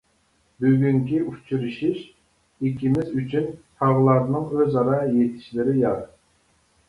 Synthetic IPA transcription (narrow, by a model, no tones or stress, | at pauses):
byɡʲyŋkʲiʔut͡ʃʰyɾɨʃiʃ | ikʲimɪzyt͡ʃʰynt̪ʰɑʁlˠɑɾnɨŋøzɑɾɑjet̪ʰɪ̥ʃlɪɾɪjɑɾ